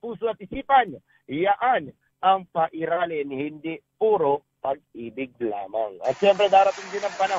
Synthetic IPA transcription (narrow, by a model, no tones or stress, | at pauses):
puːsoɐt̪̚ʔɪsiːpan | hɪjɐʔan | ʔɐŋpɐʔɪɾaːlɪnhɪnd̪ipuːɾo | pɐɡ̚ʔiːbɪɡ̚la̰ːma̰ŋʔɐ̰t̪ʃɛmpɾɛd̪aːɾɐt̪ɪŋd̪ɪnɐŋpɐnɐ